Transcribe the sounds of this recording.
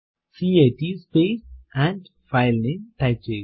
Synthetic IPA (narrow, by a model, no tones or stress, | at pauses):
siːeʈispeːsæ̃ɳɖ | faɪlnĩŋʈaɪp̚t͡ʃeː